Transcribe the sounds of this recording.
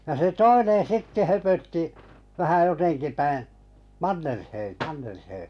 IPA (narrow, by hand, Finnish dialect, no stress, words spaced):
jɑ se toinen̞ sitːe høpøtːi ʋæhæ jotenki pæĩː mɑnːerhei mɑnːerhei